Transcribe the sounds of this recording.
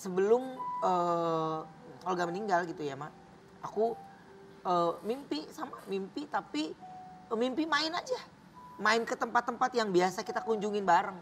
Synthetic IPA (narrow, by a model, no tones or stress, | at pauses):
səbəlʊməː | olɡaməniŋɡalɡit̪ujama | aku | əmimpisamamimpit̪api | mimpimaɪnad͡ʒa | maɪnkət̪əmpat̪ːəmpat̪jaŋbiasakit̪akuɲd͡ʒuŋɪnbaɾəŋ